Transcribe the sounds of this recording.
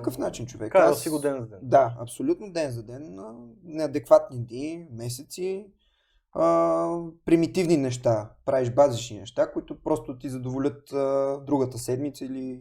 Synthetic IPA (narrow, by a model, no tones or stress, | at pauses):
kəfnat͡ʃint͡ʃovɛ̰kasiɡod̪ɛnzɐd̪ɛnd̪aɐ̰psolʲut̪nod̪ɛnzɐd̪ɛnənɛɐd̪ɛkvat̪nid̪nimɛsɛt̪si | əpɾimit̪ivninɛʃt̪apɾaɛʃbazit͡ʃninɛ̰ʃt̪akoit̪ʊpɾɔst̪ʊt̪izɐd̪ovolʲɤt̪əd̪ɾuɡət̪əsɛd̪mit̪səili